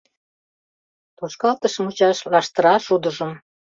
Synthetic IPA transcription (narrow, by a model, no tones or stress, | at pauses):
t̪oʃkɑlt̪əʃə̆mut͡ɕɑʃlɑʃt̪əɾɑʃud̪əʒəm